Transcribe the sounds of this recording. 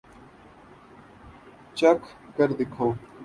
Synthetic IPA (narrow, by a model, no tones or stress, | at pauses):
t͡ɕɐkʰkɐɾd̪ɪkʰoː